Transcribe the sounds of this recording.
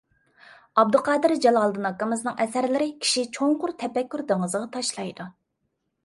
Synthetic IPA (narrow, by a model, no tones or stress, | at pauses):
ɑb̚d̪ʊqʰɑːd̪ɨɾd͡ʒɑlˠɑlˠd̪ɨnɑkːəmɨznɨŋɛsæɾlɪɾɪkʲʰi̥ʃit͡ʃʰoɴqʊɾt̪ʰɛpɛkʲːyɾd̪eŋəzʁɑt̪ʰɑʃlˠɑjd̪u